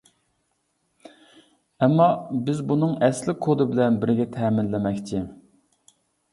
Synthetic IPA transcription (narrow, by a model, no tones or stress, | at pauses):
ɛmːɑbɪzbunɨŋɛslɪkʰːod̪ɨbɪlɛnbɪɾɡʲɛt̪ʰɛːmɪnlɪmɛkʲt͡ʃʰɪ